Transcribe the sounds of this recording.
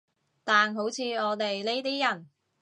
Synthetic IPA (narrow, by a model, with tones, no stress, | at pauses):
t̪aː˨nɦo˨˥wt͡sʰiː˨˧ɔː˨˧t̪e˨jle˥jt̪iː˥jɐ˨˩n